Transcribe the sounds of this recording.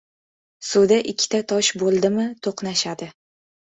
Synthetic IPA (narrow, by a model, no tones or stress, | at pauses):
sʊd̪aʔɪkʲʰːɪ̥t̪ʰat̪ʰɒʃbolˠd̪ɪmɪt̪ʰoqnaʃad̪ɪ